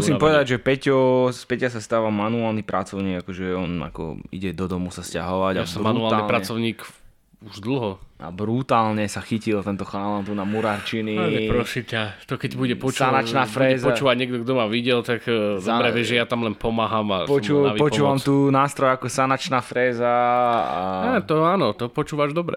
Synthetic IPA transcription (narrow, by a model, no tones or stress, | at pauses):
musimpɔʋɛd̪aɟʒɛpɛcɔspɛcasast̪aːʋamanuaːlnipɾat͡sɔʊɲiːɡakɔʒɛɔna̰kɔ̰ḭɟɛd̪ɔd̪ɔmusasca̰ɦɔʋaɟaasmaunuaːlt̪aiːlpɾat͡sɔʊɲiːk | uʒd̪l̩ˠɦɔa̰bɾut̪aːlɲɛsaxicilt̪ɛnt̪ɔxalant̪unamuɾaɾt͡ʃiniɛɾɔsicat̪ɔkɛcbuɟɛpɔt͡ʃsanat͡ʃnaːfɾɛɛːzɔat͡ʃuːʋaɟɲɛɡ̚d̪ɔɡd̪ɔmaʋiɟɛlt̪akːsd̪aɾɛʋɛʒɛjat̪amlɛnpɔmaːɦaːmapɔt͡ʃupɔt͡ʃuːʋamt̪uːnaːst̪ɾɔjakɔsanat͡ʃnaːfɾɛːzaa̰at̪ɔaːnɔt̪ɔpɔt͡ʃuːʋaʒd̪ɔbɾɛ